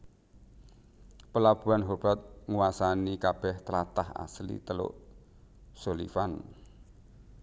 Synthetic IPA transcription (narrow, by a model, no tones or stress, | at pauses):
pəlab̥ṳanɦob̥a̤t̪̚ŋuwasanikab̥ɛht̪əɾat̪aha̰slḭt̪əlo̰ʔ | solḭfan